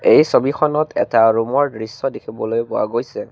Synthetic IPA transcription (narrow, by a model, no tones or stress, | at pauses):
ejsobixʰɔnɔtʰɛ̰taɹumɔɹdɹisːɔdikʰibɔlojpʊa̰ɡojsɛ